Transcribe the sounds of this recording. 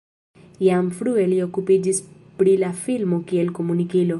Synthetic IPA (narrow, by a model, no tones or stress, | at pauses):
jamfɾuɛliokːuped͡ʒɪspɾilafilmokiɛlkomunikelo